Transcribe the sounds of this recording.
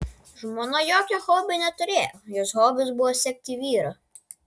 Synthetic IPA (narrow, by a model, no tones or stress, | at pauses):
ʒmoːnɐjoːkʲɛhoːbʲɪnʲɛt̪ʊɾʲeːjojoːsɦoːbʲʊsbʊʋɔsʲɛk̚ʲt̪ʲiʋʲiːɾɐ